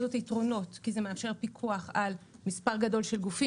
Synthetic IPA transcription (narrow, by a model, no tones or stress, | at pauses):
dotitʁo̞no̞tkizemeafʃe̞ʁpikʰuaχalmispaʁɡado̞lʃe̞lɡufi